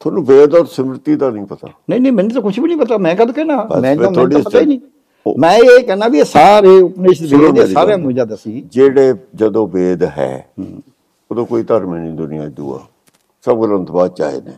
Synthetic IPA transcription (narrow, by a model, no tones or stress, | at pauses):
t̪ʰoːnũːbeːd̪aːɾsəmɾɪt̪iːd̪aːnĩːpət̪a̰ːnəĩːnə̃ːmɛ̃ːnũt̪oːkʊt͡ʃʰbiːnĩːpət̪aːmɛ̃ːkəd̪kɛːnaːmɛ̃ːõːm̃ːoːɽiapət̪aːiːnĩː | mɛ̃ːeːkɛːnaːbiesaːɾeːʊpneːʃd̪beːeːsaːɾeaːnũːid͡ʒaːd̪aːsiːd͡ʒeːɽeːd͡ʒəd̪õːbeːd̪ɦɛ̰ː | oːd̪õːkoːiːt̪əɾmɛːnĩːd̪ʊnɪjã̰ːɪd̪ṵːa̰ː | səbɡələnt̪baːd̪̚t͡ʃa̰ːɦḛːnḛː